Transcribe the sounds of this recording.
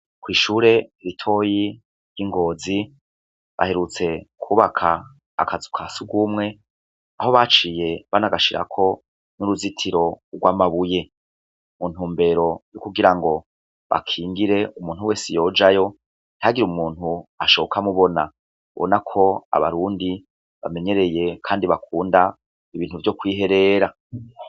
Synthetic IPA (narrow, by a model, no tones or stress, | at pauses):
kwiːʃuːɾe̞ɾitʰo̞ːji | ɾjiŋɡo̞ːzi | βʔa̰he̞ɾut͡se̞kʰuβakʰaː | kazukʰasuɡwumŋe̞ | aho̞βat͡ʃiːje̞βanaɡaʃiɾa̰kʰo̞ | nuɾuzitʰiɾo̞ɡwaːmaβuje̞ | mun̥huːmbe̞ɾo̞jukuɡiɾaŋɡo̞ | βa̰kʰiːŋɡiɾe̞umuːnhuwe̞ːsejo̞ːd͡ʒajo̞ | n̥haɡiɾumuːn̥huaʃo̞βokʰamuβo̞na | βo̰nakʰo̞a̰βa̰ɾuːndi | βa̰me̞ɲe̞ɾe̞je̞kʰaːndiβakʰuːnda | iβiːn̥huvjo̞kwiːɦe̞ɾe̞ɾa